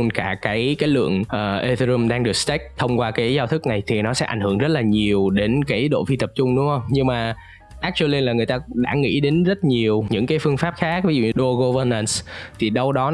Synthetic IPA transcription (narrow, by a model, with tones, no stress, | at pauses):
nkaː˧˩kaː˨˦jkaː˨˦jlɨ̰˧˨əŋʔəː˨˩ʔe˧zzɨ˧mɗaː˧ŋɗɨ˨˩ək̚st̪a˦˥k̚t̪ʰə˧wŋ͡mkwaː˧kaː˨˦jzaː˧wt̪ʰɨ˦˥k̚na˨˩jt̪ʰi˨˩nɔ˨˦sɛ̰˧˥ʔa̰˧˩jŋ̟hɨ˧˩əŋzə˦˥t̚laː˨˩ɲi˨˩əwɗe˨˦nkaː˨˦jɗo̰˧˨fi˧t̪ə˨˩p̚t͡ɕʊ˧ŋ͡mɗʊ̰˧˥ŋ͡mhə˧wŋ͡mɲɨ˧ŋmaː˨˩ | ʔaː˦˥k̚t͡ɕu˧le˧nlaː˨˩ŋɨ˨˩əjt̪aː˧ɗa̰ː˧˥˩ŋḭ˧˥ɗe˨˦nzə˦˥t̚ɲi˨˩əwɲɨ̰˧˥ŋkaː˨˦jfɨ˧əŋfaː˦˥p̚xaː˦˥k̚vi˨˦zṵ˧˨ɲ˧˦ɗo˧ɣo˧və˧na˧nst̪ʰi˨˩ɗə˧wɗɔ˨˦